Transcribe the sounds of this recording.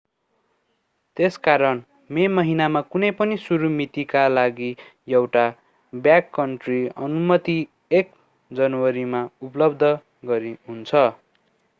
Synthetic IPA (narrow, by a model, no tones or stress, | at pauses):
t̪eskaɾʌn | memʌɦinamakunʌjpʌnisuɾumit̪ikalaɡijewʈa | bjakːʌɳʈriʌ̰numʌt̪i | ek | d͡zʌnwʌɾimaupʌlʌbd̪ʱʌ | ɡʌɾiɦunt͡sʰʌ